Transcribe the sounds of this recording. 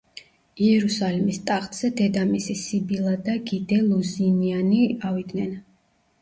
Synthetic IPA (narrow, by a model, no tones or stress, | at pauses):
iɛɾusalimist̪ʼaχt̪ʼz̥ɛd̪ɛd̪amisisibilˠad̪aɡid̪ɛlˠuzinianiavid̪nɛn